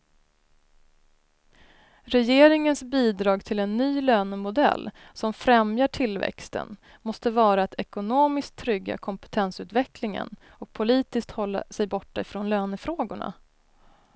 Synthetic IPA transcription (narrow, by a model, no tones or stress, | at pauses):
ɾɛjeːɾɪŋənsbiːd̪ɾɑːɡt̪ʰɪlɛnːyːløːnəmʊd̪ɛ̰lːsɔmfɾɛmjaʈʰɪlvɛ̰kst̪ə̰n | mɔst̪əvɑːɾaat̪ʰɛkʊnoːmɪskt̪ʰːɾʏɡːa̰kʰɔmpɛ̥t̪ʰɛnsʉ̟ːt̪vɛklɪŋə̰n | ɔk̚pʰʊliːt̪ɪsk̚t̪hɔlːa̰sɛjbɔʈːaɪfɾɔnløːnəfɾoːɡʊɳa̰